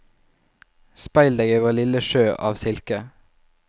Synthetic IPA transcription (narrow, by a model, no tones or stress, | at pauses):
spɑɪld̪eɡəʋəlɪləʃøːʔɑ̰ːʋsɪlkə